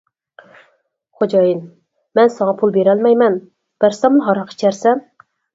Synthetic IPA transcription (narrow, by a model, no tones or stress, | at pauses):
χod͡ʒɑjin | mɛnsɑŋɑpʰulˠbeɾɛlmɛjmɛn | b̥æɾsɛmunɦɑɾɑqʰi̥t͡ʃʰæɾsɛn